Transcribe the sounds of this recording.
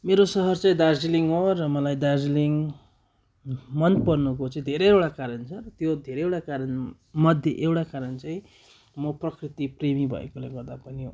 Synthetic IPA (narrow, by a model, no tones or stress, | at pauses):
meɾosʌɦʌrt͡saĩd̪ad͡ziliŋɦorʌmʌlajd̪ard͡ziliŋ | mʌnpʌrnukot͡saĩd̪ʱeɾeewʈakaɾʌnt͡sʰʌrʌt̪jod̪ʱeɾeewɽakaɾʌn | mʌd̪ʱjeʔewɽakaɾʌnt͡saĩ | mʌprʌkrit̪ipremibʱʌ̰ḛkoleɡʌrd̪apʌni